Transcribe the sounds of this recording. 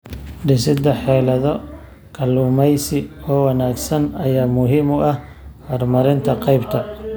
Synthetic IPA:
ɖɪsɪd̪ɐħɛːlɐðɔ | kʰɐluːmɛjsɪɔːwɑnaːɡsɐnɐjaːmʊɦiːmʊʔɐh | hɔːrmɐɾɪnt̪ʰɐqɑjbt̪ʰɐ

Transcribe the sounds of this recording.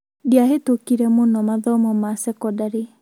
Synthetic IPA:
diaɦetokiɾɛmonɔmaðɔmɔmasɛkɔdaɾe

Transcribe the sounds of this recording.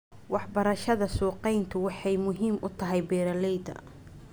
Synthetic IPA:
wɑħbɐɾɐʃɐðɐsuːqɛjnt̪ʰʊwɑħɑjmʊɦiːmʔʊt̪ʰɐɦɛjbɛːɾɐlɛjd̪ɐ̰

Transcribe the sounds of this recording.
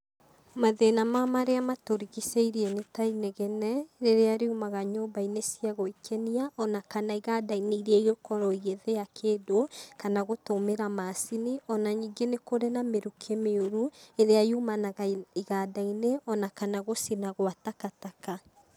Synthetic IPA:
maðenamamaɾeamatoɾiɣiseiɾiɛnetaineɣɛnɛɾeɾeaɾeumaɣaɲobainesiaɣoikʰeniaʔɔnakanaiɣaːdaineiɾiɛiɣokɔɾɔiɣeðejakʰeːdokanaɣotomeɾamaːsiniɔnaɲiːŋɡenekoɾenameɾukʰemeoɾueɾeajumanaɣaiɣadaineʔɔnakanaɣosinaɣwatakataka

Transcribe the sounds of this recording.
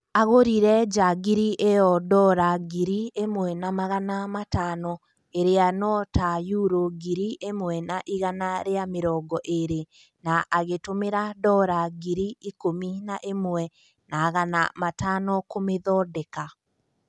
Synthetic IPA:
aɣoɾiɾɛd͡ʒaɡiɾiʔejɔdɔɾaɡiɾiemwɛnamaɣanamatanɔ | eɾeanɔtajuɾoɡiɾiʔemwɛnaʔiɣanaɾeameɾɔɡɔʔeɾe | naʔaɣetomeɾadɔɾaɡiɾiikominaʔemwɛ | naːɣana̰matanɔkomeðɔdɛka

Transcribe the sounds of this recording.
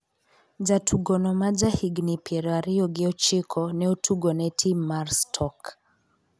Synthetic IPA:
d͡ʒatʰuɡɔnɔmad͡ʒahiɡnipjɛɾɔaɾijɔɡɛɔt͡ʃikʰɔnɛutʰuɡɔnɛtʰimaɾstʰɔk

